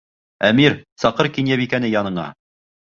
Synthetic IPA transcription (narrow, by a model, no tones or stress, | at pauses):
æmiɾsɑqɤɾkinjæβikænɘjɑnɤ̆ɴɑ̰